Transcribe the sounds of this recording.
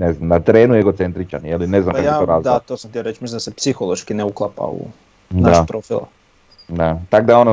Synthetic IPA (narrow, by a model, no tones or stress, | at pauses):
neznamnat̪ɾeːnueɡo̞t̪sent̪ɾit͡ʃa̰njeline̞znamaajaooɾaːzld̪at̪osamt̪iaɾet͡ʃmislind̪asepsixolˠoʃkineuklˠapa̰ṵ | naaʃpɾofila̰ | d̪at̪akd̪aono